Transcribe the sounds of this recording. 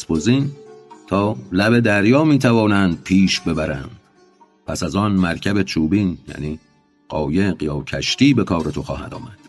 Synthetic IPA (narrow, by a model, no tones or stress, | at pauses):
sboziːnt̪ʰɒːlæbe̞d̪æɾjɒːmiːt̪ʰævɒːnænd̪̥̚pʰiːʃbe̞bæɾæ̰n | pʰæsæzɒːnmæɾcʰæbe̞t͡ʃʰuːbiːnjæ̰niː | ɢɒːjeɢjɒːcʰæʃt̪iːbe̞kʰɒːɾe̞t̪ʰoxɒːhæ̰d̪ɒ̰ːmæd̪̥